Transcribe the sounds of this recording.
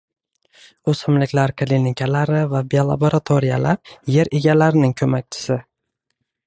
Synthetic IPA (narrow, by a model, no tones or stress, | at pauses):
ɵsɪmlɪkʲlaɾkʰlinɪkʲʰalaɾɪvabijolˠa̰boɾat̪ʰoɾijalap̚je̞ɾeɡʲalaɾɪnɪŋkʰɵmak̚ʲt͡ʃʰɪ̥sɪ